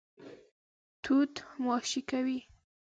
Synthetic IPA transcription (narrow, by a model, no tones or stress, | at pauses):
t̪ʰut̪mɑʃikawi